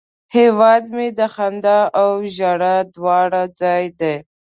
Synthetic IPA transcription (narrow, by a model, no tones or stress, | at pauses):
hewɑd̪med̪əxand̪aawʒaɽad̪wɑɽad͡zɑjd̪e